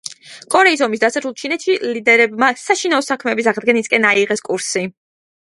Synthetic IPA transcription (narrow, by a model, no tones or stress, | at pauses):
kʼɔɾɛisɔmisd̪asaɾulˠt͡ʃʰinɛt̪ʃilid̪ɛɾɛbmasaʃinaɔsakʰmɛːbis̬aʁd̪ɡɛniskʼɛnaiʁɛskʼuɾsi